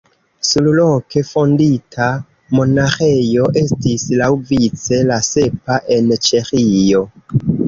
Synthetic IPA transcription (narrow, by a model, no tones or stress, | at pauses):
sulloke̞fo̞nditʰa | mo̞naxe̞jo̞ʔe̞stislawvit͡se̞lase̞paʔe̞nt͡ʃexijo̞